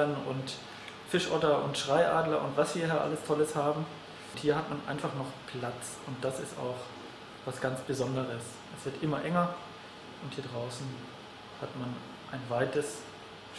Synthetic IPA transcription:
ɐnʊnt | fɪʃʔɔtɐʔʊ̰ntʃʁ̥aɪʔaːdlɐʔʊntv̥asv̥iːɐɦɛɐʔa̰ləstʰɔləshaːbm̩ | thiːɐhatmanʔa̰ɪnfaχnɔχpʰlat͡s | ʊnt̚d̥asɪsta̰ʊχ | vasɡ̥ant͡sb̥əzɔndəʁəs | ʔɛsv̥ɪɐtʔɪmɐʔɛŋɐ | ʔʊnthiːɐdʁaʊsn̩ | hatman | ʔaɪnvaɪtəs

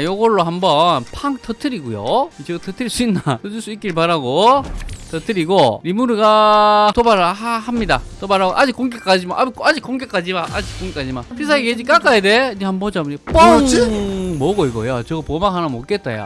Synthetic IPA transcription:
joɡʌɭːoɦambʌnpʰaŋtʰʌtʰɯɾiɡujo̰t͡ɕetʰɯtʰɯɭs͈uinːatʰɯtʰɯɭs͈uik͈iɾɭpaɾaɡo | tʰʌtʰɯɾiɡoɾimuɾɯɡatobaɾhamɲidatobaɾaɡoʔad͡ʑik͈oŋɡek͈ad͡ʑimaʔabkoad͡ʑik͈ːoŋɡek͈ad͡ʑimaʔad͡ʑik͈oŋɡek͈ad͡ʑimapʰis̬ʰaeked͡ʑik͈ak͈ajedeɲehambʌd͡ʑamep͈ʌŋt͡ɕɯmoɡoiɡʌjat͡ɕʌɡʌpomaŋɦanamok͈et̚t͈a̰ja̰

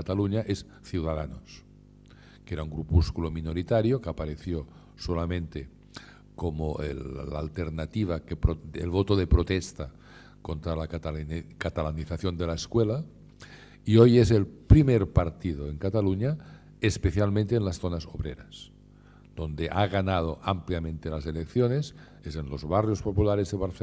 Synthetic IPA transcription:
at̪aluɲaʔes | θjuwðaðanos | keɾauŋɡɾupuskulominoɾit̪aɾjokeapaɾeθjo | solamẽnt̪e | komoḛlaa̰ːlt̪eɾnat̪iβ̞akepɾoḛlβot̪oðepɾot̪est̪a | kont̪ɾala | kat̪alaniθaθjond̪elaeskwela | iojezelpɾimeɾpaɾt̪iðoeŋkat̪aluɲa | espeθjalmẽnt̪eːnlasθonazoβɾḛɾas | d̪̥o̞nd̪eʔaɣanað̞oʔampljamẽnt̪elazelekθjones | ezenlo̞zβarjospopulaɾezðeβaɾθe

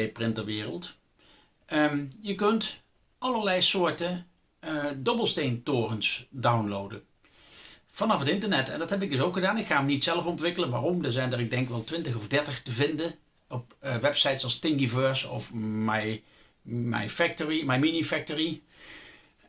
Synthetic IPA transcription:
ejprɪnt̚dəɹʋɪːrə̰lˠt | jəkɵnt | ɑlˠəɹlɛjsʊːɹtə | dɔbəlˠstejntoːrənsdawnlowdə̰n | v̥ɑnɑfətɪntəɹnɛtɛ̰ndɑtɦɛp̬ɪɡ̚dɵsowkχədaːnɪkχaːmnitsɛləfɔntʋɪkələnʋaːrɔmdəɹzɛjndəɹɪɡ̚dɛŋkʋɛlˠtʋɪntəɣɔvdɛɹtəχtəvɪndən | ɔpʋɛpsɑjtsɑlˠstɪŋɡivøɹsɔ̰fmaj | ma̰jfɛk̚toɹimajminifɛk̚toɹi

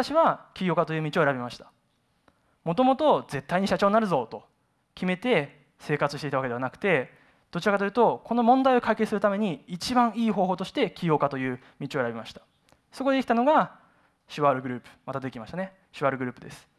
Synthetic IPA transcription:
at̪aɕiβakʲijo̞ːkat̪o̞jɯ̟ːmit͡ɕio̞eɾabʲimaɕi̥t̪ḁ | mo̞t̪o̞mo̞t̪o̞ze̞t̪ːaiɲ̟iɕat͡ɕo̞ːnnaɾɯ̟zo̞t̪o̞ | kʲime̞t̪e̞ | se̞ːkat͡sɨ̥ɕit̪e̞it̪aβaked̪eanakɯ̟̥t̪e̞ | d̪̥o̞t͡ɕiɾakat̪ojiɯ̟t̪o̞ko̞no̞mõ̞nd̪aio̞kaike̞sɨɾɯ̟t̪ame̞ɲ̟iːt͡ɕibãɰ̃iːɦo̞ːɦo̞ːt̪o̞ɕi̥t̪e̞kʲijo̞ːkat̪o̞jɯ̟ː | mʲit͡ɕio̞e̞ɾabʲimaɕi̥t̪ḁ | so̞ko̞d̪e̞ikʲi̥t̪ano̞ɡa | ɕiβaɾɯ̟ɡɯ̟ɾɯ̟ːpɯ̥mat̪ad̪e̞kʲimaɕit̪ane̞ | ɕiβaɾɯ̟ɡɯ̟ɾɯ̟ːpɯ̟d̪e̞sɨ̥

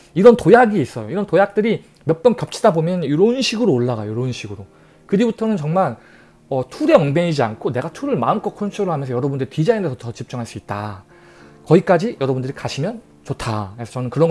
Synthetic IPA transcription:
iɾʌntojaɡiːs͈ʌjoiɾʌntojak̚t͈ɯɾi | mjʌt̚t͈ʌnkjʌp̚t͡ɕʰidabomjʌnuɾʌunɕʰiɡɯɾoːɭːaɡajoɾounɕʰiɡɯɾo | kɯɾibutʰʌnɯnt͡ɕʌŋmaɭ | ʌtʰuɾe̞ʌŋbeɲid͡ʑiankʰone̞ɡatʰuɾɯɭmaɯmk͈ʌkʰont͡ɕʰuɾɯɭɦamjʌnsʰʌjʌɾʌbundɯɾitid͡ʑaindesʰʌtʌt͡ɕip̚t͡ɕ͈uŋɦaɭs͈uit̚t͈a̰ | kʌik͈ad͡ʑijʌɾʌbundɯɾikaɕʰimjʌn | t͡ɕotʰaesʰʌt͡ɕʌnɯnkɯɾʌŋɡ

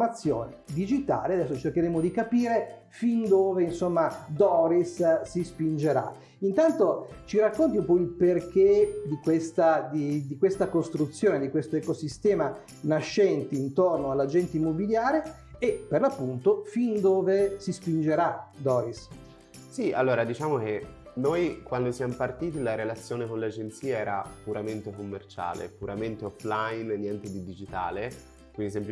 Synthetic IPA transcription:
mat̪sːjo̰ːned̪id͡ʒit̪a̰ːlead̪ɛsːot͡ʃerk̟eɾemod̪ikapiːɾe | find̪oːveinsomːad̪ɔɾissispind͡ʒeɾa̰ | int̪ant̪o | t͡ʃiɾakːont̪̬iumpɔilperk̟ed̪ikwest̪ad̪id̪ikwest̪akost̪ɾut̪sːjoːned̪ikwest̪oekosist̪ɛːma | naʃːɛnt̪iint̪ornoalːad͡ʒɛnt̪eimːobiljaːɾeː | pːerlapːunt̪ofind̪oːvesispind͡ʒeɾad̪ɔːis | sia̰lːoːɾad̪it͡ʃaːmok̟e | nojkwand̪osjamopart̪iːt̪ilaɾelat̪sːjoːnekonlad͡ʒent̪siːaɛːɾa̰puɾament̪ekomːert͡ʃa̰ːlḛpuɾament̪eɔflainnːjɛnt̪ed̪id̪id͡ʒit̪a̰ːle | kwid̪is̬emp

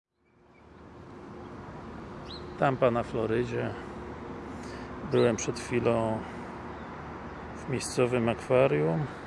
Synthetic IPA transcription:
t̪ampanaflɔɾɘd͡ʑɛ | bɘwɛmpʂɛt̪xfʲilɔ̃w̃ | vmʲejst̪sɔvɘmakfaɾjum

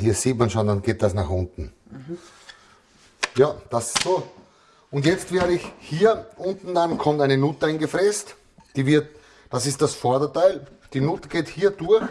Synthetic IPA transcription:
hiːɐsiːtmanʃoːndanɡeːt̚d̥asnaχʊntn̩ | jaːd̥asɪssoː | ʊntjɛt͡stvɛːɐɾəɪçhiːɐʔʊntn̩dankʰɔmtæɪnənutəaɪnɡəfʁɛst | d̥iːvɪɐt | d̥asɪst̚d̥asfɔɐdɐtaɪl | d̥iːnʊtəɡ̥eːthiːɐdʊɐx

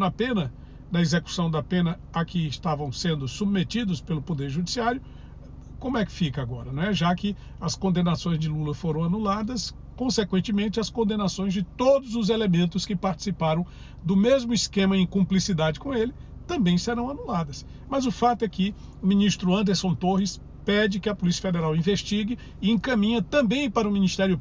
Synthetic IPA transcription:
ɐpẽnɐ | d̪ɐezeku̥sɐ̃w̃d̪ɐpẽnɐ | ɐkɪɪst̪avɐ̃w̃sẽnd̪ʊsub̚met͡ʃid̪ʊspelʊpod̪eɾʒud͡ʒisiaɾjʊ | kõmʊɛkɪ̥fikɐaɡɔɾɐnɐ̃w̃ɛʒakɪ | ɐskõnd̪enasõj̃zd͡ʒɪlulɐfoɾɐ̃w̃anulad̪ɐs | kõsekwẽnt͡ʃɪmẽnt͡ʃɪɐskõnd̪ẽnasõj̃zd͡ʒɪt̪od̪ʊzʊzelemẽnt̪ʊskɪpaɾt͡ʃi̥sipaɾɐ̃w̃ | d̪ʊmezmʊiskẽmɐẽj̃kõplisid̪ad͡ʒɪkõelɪ | t̪ɐ̃mbẽj̃seɾɐ̃w̃anulad̪ɐs | mɐzʊfat̪ʊɛkɪ | ʊmĩnist̪ɾʊɐ̃nd̪eɾsõt̪ohɪs | pɛd͡ʒɪkɪɐpolisiɐfed̪eɾawĩveʃt͡ʃiɡɪ | ɪẽkɐ̃mĩɲɐt̪ɐ̃mbẽj̃paɾɐʊmĩnist̪ɛɾjʊ

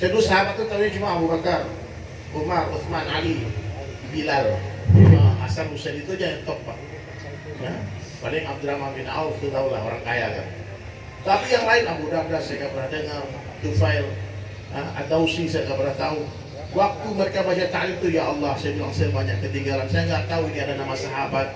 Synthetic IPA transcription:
sajadusaɦamat̪̚ːut̪auɲat͡ʃumaːbubakar | ʊmarʊθmanali | bilaləa̰salusanit̪ud͡ʒaɦɛt̪ɔk̚baʔ | ja | pa̰daŋab̚d̪uɾamanbɪna̰uft̪ut̪aula̰ɦo̰ɾaŋkaja̰ka̰ | t̪apijaŋlaɪnabudab̚dasajaŋɡabəɾadəŋar | at̪ufaɪl | əa̰dausisajaŋɡabədaht̪au | wak̚t̪uməɾekabat͡ʃat̪alɪmt̪ujaʔɑlːɑhsajabilaŋsajabaɲakːət̪iŋɡaɾansajaŋɡaʔt̪auiniakanamasaɦabat̪̚

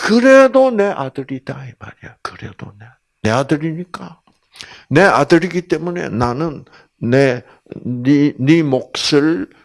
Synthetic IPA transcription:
kɯɾe̞d̪one̞ʔad̪ɯɾid̥̪aema̰ɾijakɯɾe̞d̥̪o̰ne | ne̞ad̪ɯɾiɲik͈a | ne̞a̰dɯɾiɡit̪͈e̞mune̞̰nanɯnː | e | inimok̚sɯɭ

